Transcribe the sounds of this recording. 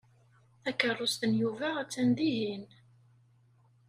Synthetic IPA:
θækərˤːʊst̪ənjuvæʁæt͡sːænd̪iɦin

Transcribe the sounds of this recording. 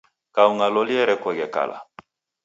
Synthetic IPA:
kauŋalɔliɛɾɛkwɛɡɛka̰la̰

